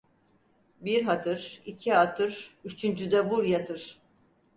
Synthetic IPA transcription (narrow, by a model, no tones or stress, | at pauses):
biɾɦat̪ʰɯɾicʰiɦat̪ʰɯɾ̥yt͡ʃʰynd͡ʒyd̪ɛvuɾjat̪ʰɯɾ̥